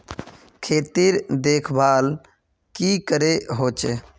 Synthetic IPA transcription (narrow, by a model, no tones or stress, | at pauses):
kʰeːt̪iɾd̪eːkʰbaːl | kikəɾeɦoːt͡ʃe